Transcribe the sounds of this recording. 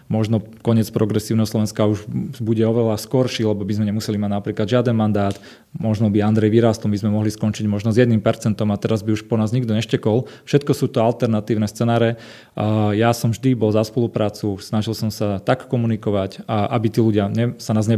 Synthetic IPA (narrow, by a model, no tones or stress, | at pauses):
mɔʒnɔ | kɔɲɪɛt͡spɾɔɡɾɛsiːʊnɛɦɔslɔʋɛ̃nskauʒbuɟɛɔʋɛlaskɔɾʃilɛbɔbizmɛɲɛmusɛlimaɟnapɾiːklad̪ʒɪad̪ɛnmand̪aːt̪ | mɔʒnɔbiand̪ɾɛjʋiɾaːst̪ɔlmbizmɛmɔɦliskɔnt͡ʃiɟmɔʒnɔzjɛd̪niːmpɛɾt͡sɛnt̪ɔmat̪ɛɾazbiuʃpɔnaːzɲiɡd̪ɔɲɛʃcɛkɔlfʃɛt̪kɔsuːt̪ɔalt̪ɛɾnat̪iːʊnɛst͡sɛnaːɾɛ | jasɔmvʒd̪ibɔlzaspɔlupɾaːt͡susnaʒilsɔmsat̪akːɔmunikɔʋacʔabit̪iːluɟɪaɲɛsanaːzɲɛ